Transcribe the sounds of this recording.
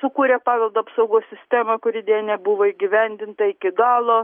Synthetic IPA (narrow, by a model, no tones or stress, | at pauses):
sʊkuːɾʲepɑːʋʲɛlˠd̪oːɐpsɐʊɡoːsʲsʲɪsʲt̪ʲæːmɐkʊɾʲɪd̪ʲeːnʲɛbʊʋoːiːɡʲɪʋʲɛnʲd̪ʲɪnt̪ɐɪkʲɪɡɑːlˠoː